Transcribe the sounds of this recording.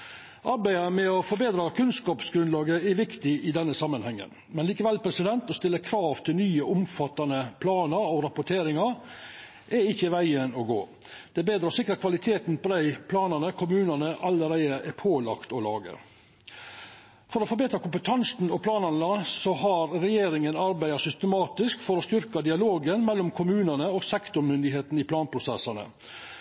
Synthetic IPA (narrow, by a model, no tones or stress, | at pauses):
ʔɑɾbæɪəmɛɔfɔɾbeːd̪ɾɑkʰʉnskɑːpsɡɾʉnlɑːɡəɛʋɪkt̪ɪʔɪd̪ɛnːəsɑmːənhɛŋːə̰n | mɛnliːkəʋɛlːpʰɾɛsɪd̪ɛnt̪ɔst̪ɪlːəkʰɾɑːʋt̪ʰɪlnyːəʔʊmfɑt̪ːɑnəpʰlɑːnəɾɔɾɑpʊʈʰeːɾɪŋɑɾ | ʔɛɪçːəʋæɪənɔɡoː | d̪̥ɛbeːd̪ɾɑsɪkːɾɑkʰʋɑlɪt̪ʰeːt̪n̩pɔd̪æɪpʰlɑːnɑnəkʰʊmʉːnənəʔɑləɾæɪd̪əʔɛpʰoːlɑkt̪ɔlɑːɡə̰ | fɔɾɔːfɔɾbeːt̪ɾɑkʊmpət̪ʰɑnsn̩ɔpʰlɑːnɑnəsɔhɑɾɾɛjeːɾɪŋənɑɾbæɪɑsʏst̪əmɑːt̪ɪskfɔɾɔst̪ʏɾkɑd̪ɪɑloːɡənmɛlːɔmkʰʊmʉːnənəɔːɡsɛkt̪ʊɾmʏnd̪ɪɦeːt̪n̩ɪpʰlɑːnpʰɾʊsɛsɑnə̰